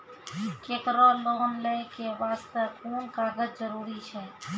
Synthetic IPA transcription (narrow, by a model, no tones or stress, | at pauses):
ket̪ɾɔloːnlekebaːst̪əkuːnkaːɡət͡ʃd͡ʒəɾuːɾit͡ʃʰɛ